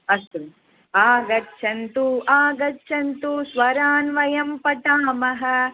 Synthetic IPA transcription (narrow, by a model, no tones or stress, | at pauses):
ɐst̪u | aːɡɐtːʃʰɐnt̪uʔaːɡɐtːʃʰɐnt̪usʋɐɾaːnʋɐjɐmpɐt̪aːmɐɦɐ̆